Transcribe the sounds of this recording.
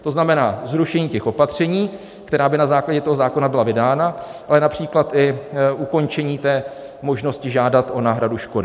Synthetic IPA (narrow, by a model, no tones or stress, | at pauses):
t̪o̞znamɛnaːzɾuʃɛɲiːcɛxopat̪r̝̥ɛɲiː | kt̪ɛɾaːbɪnazaːklaɟɛt̪o̞ɦozaːko̞nabɪlavɪdaːnaʔalɛnapr̥iːklat̪ʔɪʔuko̞nt͡ʃɛɲiːt̪ɛː | mo̞ʒno̞scɪʒaːdat̪ʔo̞naːɦɾaduʃkodɪ